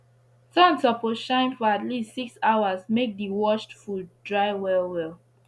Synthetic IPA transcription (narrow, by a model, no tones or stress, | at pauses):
tãntɔpoʃãɪ̃nfɔatlistsiksaʊazmek̚diwɔʃtfudɹaɪwɛlwɛlˠ